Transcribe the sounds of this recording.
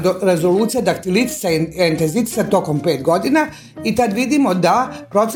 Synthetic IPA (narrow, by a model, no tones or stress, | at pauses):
ɾezo̞luːt̪sijad̪akt̪ilit̪i̥saent̪enzit̪i̥sat̪o̞ko̞mpe̞ːt̪ɡo̞d̪ina | it̪ad̪ʋid̪imod̪apɾo̞t̪s